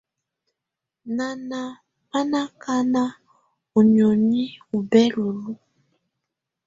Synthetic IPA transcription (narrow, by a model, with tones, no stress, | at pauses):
na˨na˨ | pa˦na˦ka˦na˦ | u˨ɲɔ˨ɲi˦u˨bɛ˦lu˨lu˦